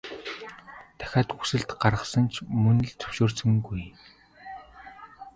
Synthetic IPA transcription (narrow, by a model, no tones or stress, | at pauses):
t̪ʰæ̥xʲaːt̪xusɘ̆ɮt̪ɢarʁə̆χsə̆nt͡ɕʰmɵn̆ɮt͡sʰɵ̥wʃoːrsɘ̆ŋɡuj